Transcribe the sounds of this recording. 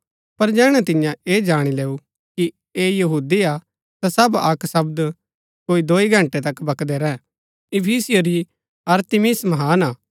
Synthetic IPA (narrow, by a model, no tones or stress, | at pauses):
pɐɾd͡ʒɛːɽ̃ɛt̪ɪjãeːd͡ʒaːɽ̃ileːu | ki | eːjɐɦuːd̪ia | t̪asɐbɐksɐbd̪ | koːid̪oːiɡʱɐ̃ɳʈet̪ɐkbɐkd̪eɾɛ | ɪpʰiːsɪjoɾi | ɐɾt̪ɪmɪsmɐɦaːnaː